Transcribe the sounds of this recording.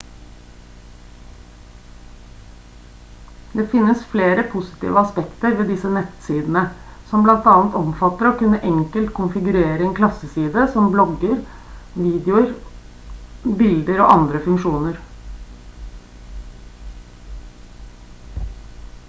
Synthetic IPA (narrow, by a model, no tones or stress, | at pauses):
d̪eːfɪnːəsfleːɾəpʰʊsɪ̥t̪ḭːʋəɑspɛkt̪əɾʋeːd̪ɪsənɛt̪siːd̪n̩ə | sɔmblɑnt̪ɑːnt̪ɔmfɑt̪ːəɾoːkʉnːəʔɛŋkəlt̪kʰʊnfɪɡʉɾeːɾəɛnkʰlɑsəsiːd̪əsɔmblɔɡəɾ | ʋiːd̪jʊəɾ | bɪld̪əɾo̰ːʔɑnd̪ɾəfʉŋʂuːnəɾ